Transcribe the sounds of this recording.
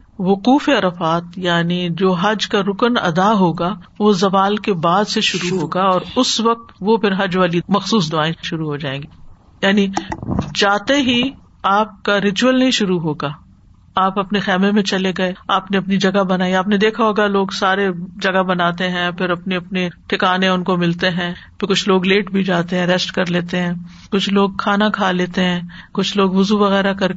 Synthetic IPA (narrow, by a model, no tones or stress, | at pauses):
ʋʊquːfeɐɾɐfaːt̪jaːnid͡ʒoːɦɐd͡ʒkaɾʊkənɐ̰d̪aɦoːɡaʋozɐʋaːlkebaːd̪seʃʊɾuɦoːɡaɔːɾʊsʋɐq̚t̪ʋopʰɪɾɦɐd͡ʒʋaːlimɐxsuːs̬d̪ʊaːẽʃʊɾuɦod͡ʒaːẽːŋɡiː | jaːnid͡ʒaːt̪eɦi | aːp̚kaɾɪt͡ʃuəlnɐɦĩʃʊɾuɦoːɡa | aːpɐpnexɛːmẽmẽt͡ʃɐleɡɐeaːpneɐpnid͡ʒɐɡabɐnaːiaːpned̪eːkʰaɦoːɡaloːɡsaːɾed͡ʒɐɡabɐnaːt̪eɦɛ̃pʰɪɾɐpneɐpneʈʰɪkaːnẽʊnkomɪlt̪eɦɛ̃ː | pʰɪɾkʊt͡ʃʰloːɡleːʈbʱid͡ʒaːt̪eɦɛ̃ɾɛsʈkɐɾleːt̪eɦɛ̃ː | kʊt͡ʃʰloːɡ̚kʰaːnakʰaːleːt̪eɦɛ̃ːkʊt͡ʃʰloːɡʋʊzuʋɐɣɛːɾakɐɾ